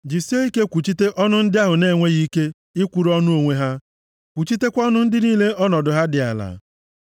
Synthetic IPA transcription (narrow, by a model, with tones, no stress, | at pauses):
d͡ʒi˨si˦e˦i˦ke˦kʷu˨t͡ʃi˦te˦ʔɔ˦nʊ˦n̩˦dɪ˦a˦ɦʊ˨ne˦˨ŋʷe˦ɣi˦ke˦ | ɪ˦kʷu˨ɾɔ˦nʊ˦o˨ŋʷe˦ɦa˦ | kʷu˨t͡ʃi˦te˦kʷɔ˦nʊ˦n̩˦dɪ˦niː˦le˦ʔɔ˦nɔ˨dʊ˨ɦa˦dɪ˨a̰˨la̰˨